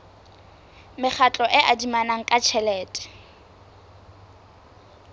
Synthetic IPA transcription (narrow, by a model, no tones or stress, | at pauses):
mɪk͡xʰat͡ɬʼɔʔɪʔadimanaŋ̩kʼat͡ʃʰɛlɛːtʼɛ̥